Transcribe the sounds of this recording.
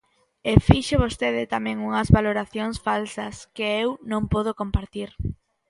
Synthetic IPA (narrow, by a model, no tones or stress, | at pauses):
efiʃeβ̞ost̪eðɪt̪amɛ̃ŋuŋɐzβaloɾaθjoŋsfalsɐskɪewnõŋpoðokompaɾt̪iɾ